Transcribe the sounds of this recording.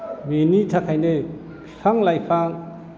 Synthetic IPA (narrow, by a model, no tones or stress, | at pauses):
menitʰakʰajne | pʰpʰaŋlajpʰaŋ